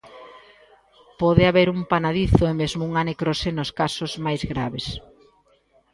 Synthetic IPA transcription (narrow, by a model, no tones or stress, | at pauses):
pɔðeaβeɾumpanaðiθʊemezmouŋanekɾosenoskasʊzmajzɣɾaβes